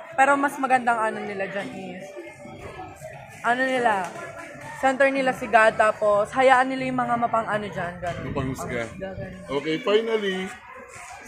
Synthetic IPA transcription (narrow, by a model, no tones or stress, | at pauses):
pɛːɾo̞mɐsmɐɡɐnd̪aŋʔanonɪlad͡ʒanʔɪs | ʔɐnonɪla | sɛnt̪ɛɹnɪlasɪɡad̪̚t̪aːpo̞shɐjaːʔɐnːɪlajʊŋmɐŋamɐpɐŋʔɐnod͡ʒanɡɐnompɐŋʊsmkɐɡaɡɐnookejfajnɐli